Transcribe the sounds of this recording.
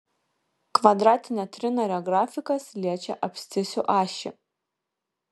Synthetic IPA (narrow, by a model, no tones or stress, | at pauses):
kʋɐd̪ɾɑːt̪ʲɪnʲɛt̪ʲɾʲɪnɐɾʲɔɡɾɑːfʲɪkɐslʲiɛt͡ʃʲɛʔɐpʲsʲt̪ʲɪsʲʊʔɑːʃʲɪ̰